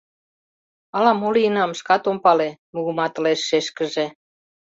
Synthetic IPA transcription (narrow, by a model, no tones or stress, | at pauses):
ɑlɑmoliinɑmʃkɑt̪ompɑlemuɣumɑt̪ə̆leʃːeʃkə̆ʒe